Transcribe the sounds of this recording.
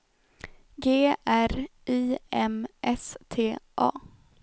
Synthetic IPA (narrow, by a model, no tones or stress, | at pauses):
ɡeːʔæɾʔiːɛmʔɛst̪ʰeːʔɑ̰ː